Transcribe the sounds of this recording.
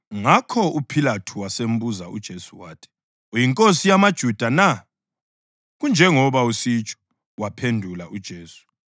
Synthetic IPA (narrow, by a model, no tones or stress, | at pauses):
ŋakʰɔupʰilatʰuwasem̩buzaṵd̥ʒ̥ʱesuwaːtʰɛ̥ | jiŋkʼosijamad̥ʒ̥ʱud̥ʱana | ɣund͡ʒʱɛŋɔβausit͡ʃʼɔ̥ | wapʰendʱulaʔud̥ʒ̥ʱeːsu̥